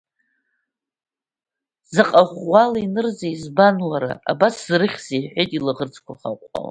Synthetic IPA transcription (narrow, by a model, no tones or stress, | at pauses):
zaqʼaχʷalainɨrzaizbanwaɾa̰a̰baszrɨχʲz̥ejħʷᶣejtʼilɨʁərt͡sʰʼkʷʰaχa̰qʷʼa̰w